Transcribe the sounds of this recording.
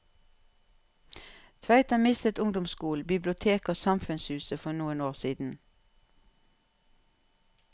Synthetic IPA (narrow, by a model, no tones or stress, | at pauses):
t̪ʰʋæʏt̪əmɪst̪ət̪ʊŋd̪ʊmskuːlbɪblʊt̪ʰeːkoːsɑmfʉnshʉːsəfɔnuːənoːʁsiːd̪n̩